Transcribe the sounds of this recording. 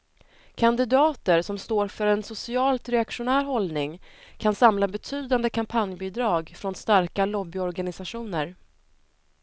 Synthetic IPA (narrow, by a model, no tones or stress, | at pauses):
kʰand̪ɪd̪ɑːt̪əɾsɔmst̪oːɾfœɾɛnsʊsɪɑːlt̪ɾɛakʂʊnæːɾɦɔlnɪŋkʰansamlabɛt̪ʰyːd̪and̪əkʰampʰanjbɪd̪ɾɑːɡfɾɔnst̪aɾkalɔbːɪɔɾɡanɪsaʂuːnəɾ